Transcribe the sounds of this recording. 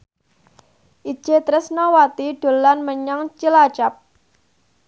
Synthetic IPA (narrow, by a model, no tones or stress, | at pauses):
ʔi̥ʒ̥et̪ɾɪsnɔwat̪iɖ̥o̤lanməɲaŋt͡ʃilat͡ʃap̚